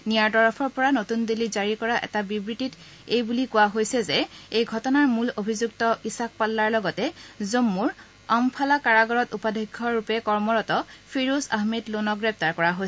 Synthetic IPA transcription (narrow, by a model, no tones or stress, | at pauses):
nijaɹtɔɹɔpʰɔɹpɔɹanotundilizaɹikɔɹaʔɛ̰tabibɹitit | ejbulikʊwaɦojsɛzɛejɡʱɔtɔnaɹmulobʱizuktɔisak̚palːaɹlɔɡɔtɛzomːuɹ | ampʰalakaɹaɡɔɹɔtupadʱiɡʱːɔɹɹupɛkɔɹmɔɹɔtɔpʰiɹusa̰ɦmɛdlonɔɡɹɛp̚taɹkɔɹaɦojsɛ